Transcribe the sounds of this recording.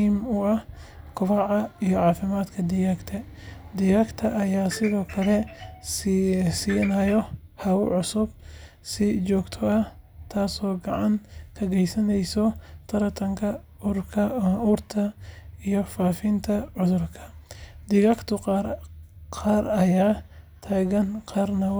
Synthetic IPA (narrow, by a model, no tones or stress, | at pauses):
iːmʊɐhkʰʊɾɑʕɐijɔʕɑːfɪmaːd̪kʰɐd̪ɪɣɐkt̪ʰɐ | d̪ɪɣɐkt̪ʰɐʔɐjaːsɪðɔːkʰɐlɛ | sinajɔhɐʊʕʊsʊb̚ | sɪt͡ʃɔːɡt̪ʰɔɐh | t̪ʰaːsɔːɡɑʕɑnkʰɐɡɛjsɐnɛjsɔt̪ʰɐɾɐt̪ʰɐŋkʰɐ | ʊrkʰɐuːrt̪ʰɐijɔfaːfɪnt̪ʰɐʕʊðʊrkʰɐ̥d̪ɪɣɐkt̪ʰʊqɑːrqɑːɾɐjaː | t̪ʰaːɣɐnqʰɑːrnɐ